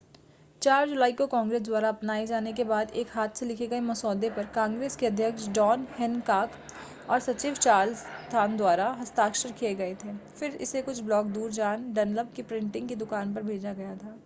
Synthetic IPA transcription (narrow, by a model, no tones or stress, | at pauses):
t͡ʃaːɾd͡ʒʊlaːikokãːŋɡɾeːs̬d̪waːɾaɐpnaːed͡ʒaːnek̬ebaːd̪eːkɦaːt̪ʰselɪkʰeɡɐemɐsɔːd̪epɐɾkãːŋɡɾeːskeɐd̪ʱjəkʃd͡ʒɔːnhɛnkaːk | ɔːɾsɐt͡ʃiːʋt͡ʃaːlst̪ʰaːnd̪waːɾaɦɐst̪aːkʃəɾkʰijeɡɐet̪ʰeːfɪɾɪ̰sekʊt͡ʃʰblɔːk̚d̪uːɾd͡ʒaːnɖɛnləb̚kipɾɪ̃ɳʈɪ̃ŋɡked̪ʊkaːnpɐɾbʱeːd͡ʒaɡɐjat̪ʰaː